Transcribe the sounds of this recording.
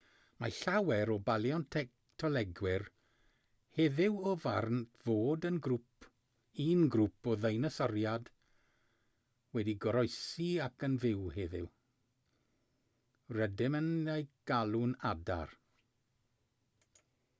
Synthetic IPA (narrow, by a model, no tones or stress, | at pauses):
maɬawɛɾɔbalˠjɔntʰɛk̚ | tʰɔlˠɛɡwɪr | heðɪwɔvarntʰv̥oːdənɡɾupʰ | inɡɾupʰɔðejnəsɔrjad | wɛdiɡɔɾɔjsiakʰənvɪwheðɪ̰w | rədɪmənejɡ̥alˠunada̰r